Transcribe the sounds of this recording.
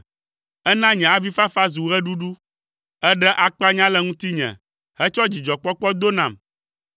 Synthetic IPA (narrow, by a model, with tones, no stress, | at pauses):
ɛ˦nã˦ɲɛ̃˨a˨vi˦fa˦fa˦zu˨ɣɛ˦ɖu˦ɖu˦ | ɛ˦ɖɛ˦ʔa˨k͡pa˦ɲã˦lɛ˦ŋũ˦t̪i˦ɲɛ̰̃˨ | hɛ˦t͡ʃɔ˦d͡ʑi˨d͡ʒɔ˨k͡pɔ˦k͡pɔ˦d̪o˦nã˨m